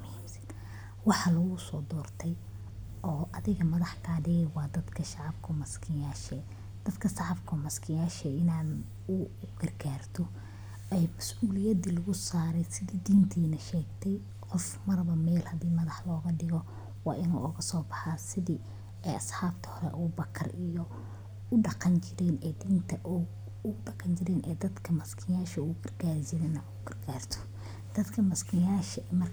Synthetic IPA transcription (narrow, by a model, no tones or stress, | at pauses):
mhiːmsɐ̥n | wɑħɑlɐɣʊsɔːd̪ɔːrt̪ʰɛj | ʔɔːʔɐðɪɣɐmɐðɑħkʰaːɖɪɣɛwɑːd̪ɐd̪kʰɐʃɑʕɑbkʰʊmɐskʰɪjaːʃɛː | d̪̥ɐd̪kʰɐsɑʕɑbkʰʊmɐskʰɪjaːʃɛɪnaːn | ʊ | ɡɐrɡaːrt̪ʰɔ | ɛjmɐsʔuːlɪjɐd̪ilʊɣʊsaːɾɛjsɪðiːd̪iːnt̪ʰiːnɐʃɛːɡt̪ʰɛj | qɔfmɐrbɐmɛːlhɐd̪iːmɐðɑħlɔːɣɐɖɪɣɔ | wɑ̰ːʔɪnṵːʔʊɣɐsɔːbɑħasɪði | ɛːɐsħaːbt̪ʰɐ̥hɔɾɛ̰ʔʊbɐkʰɐrijɔ | ʊɖɑqɑnt͡ʃɪɾɛnɛːd̪iːnt̪ʰɐʔ | ʊɖɑqɑnt͡ʃɪɾɛːnʔɛ̰ːd̪ɐd̪kʰɐmɐskʰɪjaːʃɐuʊɡɐrɡaːɾsɪðɐnɐʔʊɡɐrɡaːrt̪ʰɔ̥ | d̪̥ɐd̪kʰɐmɐskʰɪjaːʃɐmɐr